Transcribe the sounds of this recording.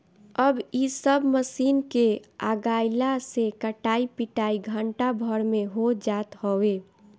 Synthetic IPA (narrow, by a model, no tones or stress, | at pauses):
əbisəbməsiːnkeaːɡaːɪlasekəʈaːipiʈaːiɡʱəɳʈabʱəɾmẽɦod͡ʒaːt̪ɦoe